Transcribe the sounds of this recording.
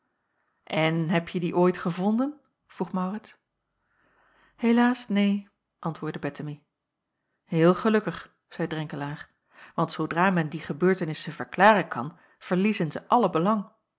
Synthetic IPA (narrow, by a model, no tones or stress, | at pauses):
ʔɛnɦɛpjədiʔoːjtχəvɔndən | v̥ruχmawrɪts | helaːsnej | ʔɑntʋʊːɹdəbɛtəmi | ɦɪːlˠχəlɵkəχ | z̥ɛjdrɛŋkəlaːɹ | ʋɑntsodraːmɛndiχəbøːɹtənɪsəv̥əɹklaːrənkɑn | v̥əɹlizənzəʔɑləbəlɑŋ